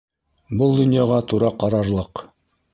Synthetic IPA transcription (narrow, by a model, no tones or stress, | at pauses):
bɤlˠd̪ŏnʲjaʁɑt̪uɾɑqɑɾɑɾlˠɤq